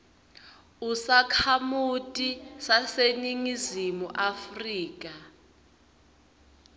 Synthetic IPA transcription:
usakʰamutʼisaseniŋizimuʔafriːk̬ʼa

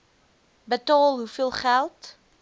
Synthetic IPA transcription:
bətɑːlˠɦufiəlˠχælˠt

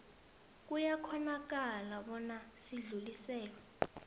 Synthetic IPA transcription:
k̬ʼujakʰɔnak̬alaɓɔnasiɮulisɛːlɔ

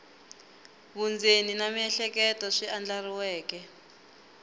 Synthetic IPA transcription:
βund͡zeninamiɛɬɛkɛtɔʂiand͡ɮariwɛːkɛ

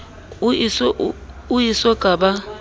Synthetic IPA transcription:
isɔ | ujisɔɡ̥ʱaːɓa

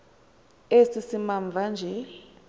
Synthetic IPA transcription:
esisimaɱvʱand͡ʒʱel

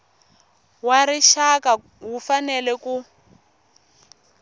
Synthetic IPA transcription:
waɾiʃaka | wufanɛlɛku

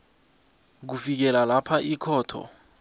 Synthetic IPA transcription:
k̬ufik̬ɛlalapʰaʔikʰɔːtʰɔ̰

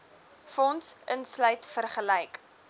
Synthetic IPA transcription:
fɔnsʔənslœɥtfərχəlɛjk

